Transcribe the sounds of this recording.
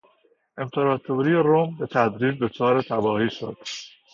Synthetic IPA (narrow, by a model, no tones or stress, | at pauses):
ʔe̞mpʰeɾɒːt̪ʰoɾijeɾombe̞t̪ʰæd̪ɾiːd͡ʒd̪o̞t͡ʃʰɒːɾet̪ʰæbɒːhiːʃo̰d̪̥